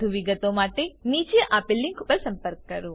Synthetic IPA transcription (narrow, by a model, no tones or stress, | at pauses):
uʋiɡɐt̪oːmaːʈeniːt͡ʃiɐʔaːpilːiŋkupːɐsɐmpɐɾkɐɾu